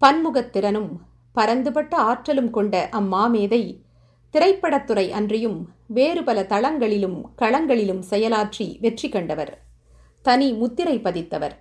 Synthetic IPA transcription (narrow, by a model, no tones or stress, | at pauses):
pɐnmʊɣɐt̪ːɪɾɐnɯm | pɐɾɐnd̪ɯpɐʈːɐaːʈrɐlɯmkɔɳɖɐʔɐmːaːmeːðɐɪ | t̪ɪɾɐɪpːɐɽɐt̪ːɯɾɐɪʔɐndrɪjɯmʋeːɾɯpɐlɐt̪ɐɭɐŋɡɐɭɪlɯmkɐɭɐŋɡɐɭɪlɯmsɛjɐlaːʈriʋɛʈrikːɔɳɖɐʋɐɾ | t̪ɐnimʊt̪ːɪɾɐɪpːɐðɪt̪ːɐʋɐ̰ɾ